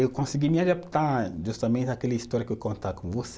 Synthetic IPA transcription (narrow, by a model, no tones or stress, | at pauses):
ewkõsiɡimiad̪apt̪aʒust̪amẽnt͡ʃakɛlɐist̪ɔɾjɐkewkõnt̪akõvose